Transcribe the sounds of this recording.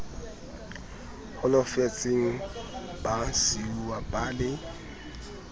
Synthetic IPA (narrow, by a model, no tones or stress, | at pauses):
hʊlɔfet͡sʼɪŋ̩ | b̥asiwabʼaːlɪ